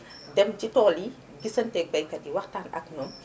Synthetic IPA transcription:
dɛmɟitɔːli | ɡisɐntɛːk̚bɐjkɐdiwɐxtaːnʔɐ̰knɔm

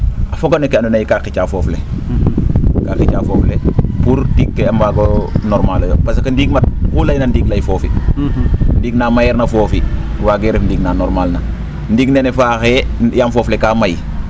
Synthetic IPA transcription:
afoɡanekeandunajikakit͡ʃaːfɔfle | kaːkit͡ʃaːfɔːflepuɾtikːeambaɡonɔɾmaːlojopas̬kɐndiɡmat̚pulajnɐndiːɡlajifoːfḭ | ndiːɡnaːmajɛɾnɐfoːfiwaɡeɾefndiːɡnanɔɾmalna | ndiːɡnenefaːxejamfoːflekaːmaj

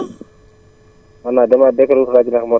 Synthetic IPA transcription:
anademadekaɾukɾad͡ʒinakmo

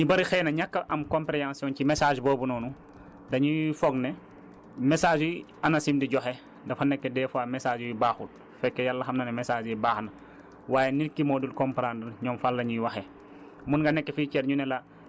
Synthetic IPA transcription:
ɲibɐɾixɛːnɐɲakːɐʔɐmkɔmpɾeãːnsiɔncimɛsaːʒbɔːbunɔːnu | dɐɲifɔɡnɛ | mɛsaːʒi | ɐnɐsimdiɟɔxɛ | dɐfɐnɛkːɛdɛːfuaːmɛsaːʒiibaːxut̚ | fɛkːɛjalːɐxɐmnɐnɛmɛsaːd͡ʒibaːxnɐ | waːjeniɾkːimɔːdulkɔmpɾandɐɾɲɔmfalːɐɲiwɐxɛ | munŋɡɐnɛkːɛfiːcɛɾɲunɛlɐ

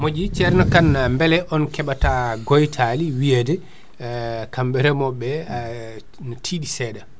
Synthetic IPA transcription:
mod͡ʒit͡ʃɛɾnɔkanːambɛlɛʔɔnkɛɓataɡojtʰaliwiedɛ | kambɛɾɛmɔbːɛ | natʰiɗisɛda

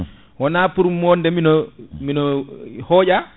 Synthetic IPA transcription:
wɔnaːpuɾumːɔndɛminɔminɔhɔːɟa

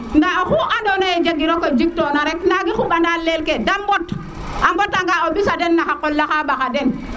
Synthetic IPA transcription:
ndaɔxuʔandɔnaɛd͡ʒaɡiɾɔkɔd͡ʒik̚tɔnaɾɛknaɡixuɓandalɛlkɛdambɔt | ʔambɔtaŋɡaɔbisadɛnːaxakːɔlːaxabaxadɛn

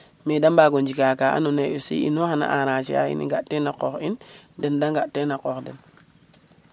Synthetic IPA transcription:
medambaɡond͡ʒikakaa̰noneosḭḭnoxana̰ʔaɾat͡ʃia̰ḭnḭŋɡaʔtːenaqoxindendaŋɡaʔtːenakokden

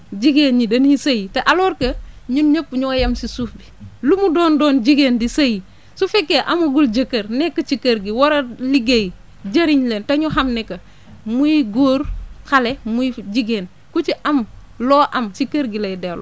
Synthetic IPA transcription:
d͡ʒiɡeːnɲidɐnisajiteʔalɔːɾkɐɲuɲɐpːɲuwajɐmsisuːfbilumudoːndoːnd͡ʒiɡeːndisaji | sufekːeʔamuɡuld͡ʒɐkːɐɾnekːɐt͡ʃikɐɾɡiwaɾɐliɡeji | d͡ʒɐɾiɲleːntɐɲuɦamnekːɐ | mujiɡoːɾkalemujid͡ʒiɡeːn | kut͡ʃiʔɐm | loːʔɐmsikɐɾɡilɐjidelo̰

